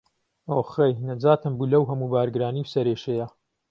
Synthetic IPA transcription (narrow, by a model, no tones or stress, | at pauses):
oːχejnɐd͡zaːt̪ʰɨmbuːlɐwɦɐmuːbaːɾɡɾaːniːwsɐɾeːʃeja